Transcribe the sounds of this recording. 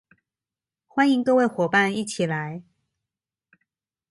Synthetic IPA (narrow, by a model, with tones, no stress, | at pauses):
xwa˦ni˧˦ŋk̪o˥˧ʊwe˥˩ɪxwɔ˨˩pa˥˨ni˥˩t͡ɕʰi˨˩la˨˦ɪ